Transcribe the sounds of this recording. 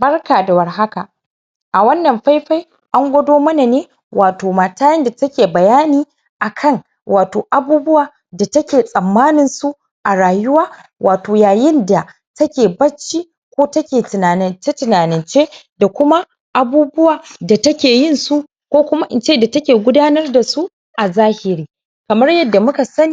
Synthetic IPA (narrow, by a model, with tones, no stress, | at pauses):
bɐ˦rkaː˨da˨wɐ˨rɦa˦ka˨ | ʔa˨wɐ˦nːɐ˨mɸa˦jɸa˦j | ʔa˦ŋɡʷɐ˦doː˦mɐ˦na˨neː˦ | waː˨toː˨maː˨taː˦jɐ˦nda˨tɐ˦kʲeː˨bɐ˨jaː˦niː˦ | ʔa˨kʰɐ˦˨ŋ | wʔaː˨toː˨ʔa˨buː˦bʊ˦waː˨ | da˨tɐ˦kʲeː˨sʼɐ˨mːaː˦nɪ˨nsu˦ʔ | ʔa˨ɽaː˨jʊ˦waː˦ | wʔaː˨toː˨jaː˨jɪ˦nda˨ | tɐ˦kʲeː˨bɐ˦t͡ʃːiː˦ | kʷoː˦tɐ˦kʲeː˨tɪ˨naː˨nɪ˦nt͡ʃe˦tɪ˨naː˨nɪ˨nt͡ʃeː˦da˨kʷʊ˦ma˦ | ʔa˨buː˦bʊ˦waː˨da˨tɐ˦kʲeː˨jɪ˦˨nsu˦ | kʷoː˦kʷʊ˦ma˦ʔɪ˨nt͡ʃeː˦˨da˨tɐ˦kʲeː˨ɡʷʊ˦daː˦nɐ˦rda˨su˦ʔ | ʔa˨zaː˦hɪ˨ɾiː˦ | kɐ˨mɐ˦rjɐ˦dːa˨mʊ˦ka˨sɐ˦niː˦˨